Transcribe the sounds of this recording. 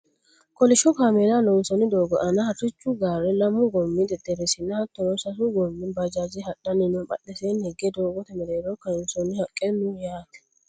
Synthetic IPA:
kʼɔlɪʃɔkaːmeːlalɔnsɔnɪd̪oːɡɔʔɐnɐhɐtɪt͡ʃːʊɡaːɾɛlɐmːʊɡɔmːɪd̪ɛd̪ɛɾɛsɪnːɐhɐt̪ːɔnɔsɐsʊɡɔmːɪnbɐd͡ʒaːd͡ʒɪhɐɗɐnɪnɔbɐ̰ɗɛsenhɛɡɛd̪oːɡɔt̪ɐmɛd̪eːɾɔkɐɪnsɔnːɪhɐkʼːɛnːujaːt̪ɛ̥

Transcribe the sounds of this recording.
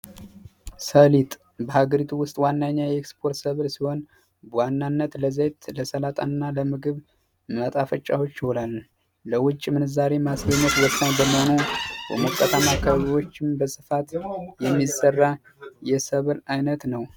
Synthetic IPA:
səlit̪ʼ | bəhaɡəɾit̪ʰuwʊst̪ʼwanːaɲːajɛekspʰo̞ɾt̪səβɨlsiho̞n | bwanːanːət̪ləzejt̪ləsəlat̪ʼa̰nɨnːaləmɨɡɨβ | mət̪ʼafət͡ʃʼːa̰wo̞t͡ʃːihonalː | əwʊt͡ʃʼːimɨnɨzaɾe̞masəmot̪wɔsːaɲbəməho̞nubə̰məkʼːət̪ʰamakʰəβəβiwo̞t͡ʃːɪmbəsʼɨfat̪jɛmːisərːa | jɛsəβɨlajnət̪nəw

